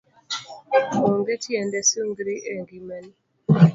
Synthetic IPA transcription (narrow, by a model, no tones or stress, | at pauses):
oŋɡɛtʰjɛndɛsuŋɡɾiʔeŋɡimɛn